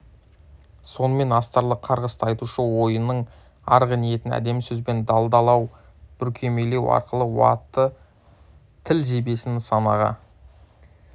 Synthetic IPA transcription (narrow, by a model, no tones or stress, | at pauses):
so̞nəme̞nɑst̪ɑɾlˠəqʰɑɾʁəst̪əɑjt̪uʃəwo̞jənəɴ | ɑɾʁɑnije̞t̪ɪnæ̰d̪e̞msɵzbe̞nd̪ɑlˠd̪ɑlˠɑw | b̥ʏɾkʲʰe̞me̞le̞wɑ̰ɾqəlˠəwɑ̰t̪ːə | t̪ʰɪlʒe̞be̞sɪnsɑnɑʁɑ̰